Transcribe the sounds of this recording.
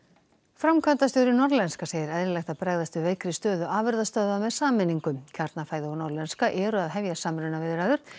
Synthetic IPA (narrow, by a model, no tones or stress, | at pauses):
fɾamkʰvœnt̪ast̪jowɾɪnɔɾlɛnskaseːjɪɾɛðɾɪlɛjxt̪apɾɛɣðast̪ʏveːjkɾɪst̪œːðʏʔaːvɛɾðast̪œðamɛðsaːmɛniŋkʏmcʰaɾt̪nafaːjðɪownɔɾlɛnskaʔɛːɾʏaðɦɛvjasaːmɾʏnavɪðɾaːðʏɾ̥